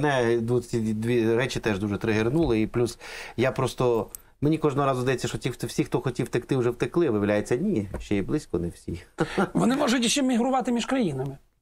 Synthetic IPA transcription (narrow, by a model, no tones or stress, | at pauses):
nɛd̪ʋusʲid̪ʲʋʲiɾɛt͡ʃɪt̪ɛʒd̪uʒɛt̪ɾɪɦɪrnulˠɪiplʲusjapɾɔst̪ɔ | menʲikɔʒnɔɦɔɾɑzʊzd̪ɐjɛt͡sʲːɐʃɔtʲit̪wsʲixt̪ɔxɔtʲiwt̪ekt̪ɪwʊʒɛwt̪ɪklˠɪʋɪʋlʲajet͡sʲːɐnʲiʃt͡ʃɛjiblˠɪsʲkɔnewsʲixʋɔnɪmɔʒʊtʲiʃt͡ʃːɛmʲiɦɾʊʋɑt̪ɪmʲiʃkɾɐjinɐmɪ